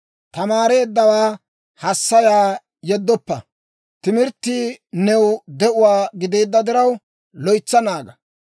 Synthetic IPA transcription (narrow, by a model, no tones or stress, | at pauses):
t̪ɐmaːɾe̞ːd̪ːɐwaː | hɐsːɐjaː | jɛd̪ːɔpːɐ | t̪ɪmɪɾt̪ːiːnɛwd̪ɛʔʊwaːɡɪd̪e̞ːd̪ːɐd̪ɪɾɐw | lɔjt͡sːɐnaːɡɐ